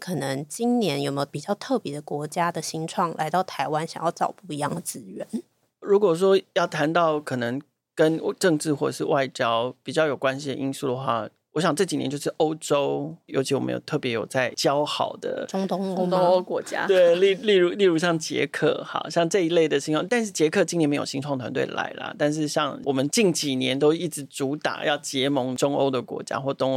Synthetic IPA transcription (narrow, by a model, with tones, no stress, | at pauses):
kʰɤ˨˩nə˧˦ŋt͡ɕi˥nnjɛ˧˦˥njo˨˩ʊme˧˥jo˧˩pi˨˩t͡ɕjɑ˥˧ʊt̪ʰɤ˥˩pjɛ˧˥d̪ə˧˨kwɔ˧˥t͡ɕja˥d̪ə˨ɕi˥ŋʈ͡ʂʰwɑ˥˩ŋlʔa̰˧˥ɪt̪ɑ˥˩ʊt̪ʰa˧˥ɪwa˥˦nɕɑ˨˩ŋjɑ˥˩ʊɑ˨˩ʊpu˥˩i˧˥jɑ˥˩ŋd̪ə˩t͡sɹ̩˥ɥɛ˧˦n | ɻu˧˥kwɔ˨˩ʂ̬wɔ˥jɑ˥˩ʊt̪ʰa˧˥nt̪ɑ˥˩ʊkʰɤ˨˩nɤ˧˦ŋ | kə˦nʈ͡ʂɤ˥˧ŋʈ͡ʂɻ̩˥˧xwɔ˥˩ə˨˩ʂɻ̩˥˧wa˥˩ɪt͡ɕjɑ˥ʊpi˨˩t͡ɕjɑ˥˩ʊjo˨˩kwa˦˥nɕi˨d̪ə̰˩ʔi˥nsu˥˩d̪ə˩xwa̰˥˩ | wɔ˧˥ɕ̬jɑ˨˩ŋʈ͡ʂɤ˥˩t͡ɕi˨˩njɛ̰˧˦nt͡ɕjo˥˧ʊʂɻ̩˥˩ʔo˥ʊʈ͡ʂo˥ʊjo˧˥ʊt͡ɕʰi˧˥wɔ˨˩mə̰˧˦jo̰˨˩ʊt̪ʰɤ˥˩pjɛ˧˥jo˨˩ʊt͡sa˥˩ɪt͡ɕjɑ˥ʊxɑ˨˩ʊd̪ə̰˦ʈ͡ʂʊ˥ŋt̪o˥ŋ˥kwɔ˧˥t͡ɕja̰˦t̪we˥˩ɪli˥˧li˥˩ɻu˧˥li˥˩ɻu˧˥ɕ̬jɑ˥˩ŋt͡ɕjɛ̰˧˥kʰɤ̰˥˩xa̰˧˩ɕjɑ˥˧ŋʈ͡ʂɤ˥˧i˧˥le˥˩ɪd̪ə˩ɕi˥nʰwɑ˥˧t̪a˥˧nʂɻ̩˥˩t͡ɕjɛ˧˥kʰɤ˥˧t͡ɕi˥˧ŋnɛ˧˥˩me˧˥jo˨˩ɕi˥ŋʈ͡ʂʰwɑ˥˩ŋt̪ʰwa̰˧nt̪we˥˩ɪ˨la̰˧˥ɪlə̰˨t̪a˥˧nʂ̬ɻ̩˥˧ɕjɑ˥˧ŋwʔɔ˨˩mə˨˦nt͡ɕi˥˩ŋt͡ɕi˨˩njɛ˧˦nt̪o˥ʊi˥˩ʈ͡ʂɻ̩˧˥t͡su˧˥t̪a̰˨˩jɑ˥˩ʊt͡ɕjɛ˧˥mɤ˧˥ŋʈ͡ʂo˥ŋo̰˥ʊd̪ə˨kwɔ̰˧˥t͡ɕja̰˦xwɔ˥˩t̪ʊ˥ŋ˧